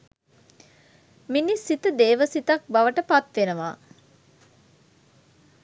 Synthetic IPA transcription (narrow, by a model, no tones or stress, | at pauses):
minisːit̪əd̪eːʋəsit̪ak̚baʋəʈəpat̪ʋenəʋaː